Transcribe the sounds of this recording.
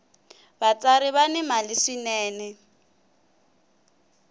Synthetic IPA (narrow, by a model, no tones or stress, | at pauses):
bat͡sʼaɾɪβanɪmalɪʂinɛːnɛ